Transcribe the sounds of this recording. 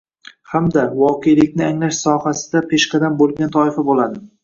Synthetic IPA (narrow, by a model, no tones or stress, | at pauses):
hamd̪avɒqʰejlɪkʲnɪaŋlaʃsɒhasɪd̪apʰeʃqʰɑd̪ambolˠɡʲant̪ʰɒɪfabolˠad̪ɪ